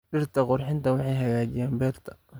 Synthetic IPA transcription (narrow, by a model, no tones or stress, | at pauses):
bɪrt̪ʰɐqʊɾħɪnt̪ɐwɑħɑjɦɐɣaːt͡ʃɪjaːmbɛːrt̪ʰɐ̥